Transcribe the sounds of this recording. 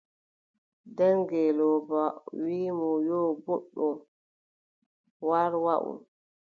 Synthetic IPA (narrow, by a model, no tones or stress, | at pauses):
dɛŋɡɛlɔːbawiːmɔjɔbɔɗːɔ | waɾwaʔṵn